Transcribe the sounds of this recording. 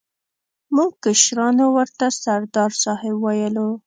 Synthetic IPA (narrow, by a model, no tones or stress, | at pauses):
muɡ̚kɪʃɾɑnowəɾt̪asaɾd̪ɑɾsɑhɪbwajəlo